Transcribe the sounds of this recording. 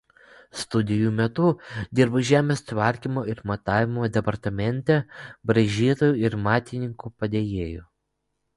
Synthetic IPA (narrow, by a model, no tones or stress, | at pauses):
st̪ʊd̪ʲɪjuːmʲɛt̪ʊd̪ʲɪɾbɐʒʲæːmʲeːst̪ʲʋɐɾʲkʲimoːɪɾmɐt̪ɑːʋʲɪmoːd̪ʲɛpɐɾt̪ɐmʲɛnʲt̪ʲɛbɾɐʒʲiːt̪oːjuːɪɾmɑːt̪ʲɪnʲɪŋkupɐd̪ʲeːjeːjoː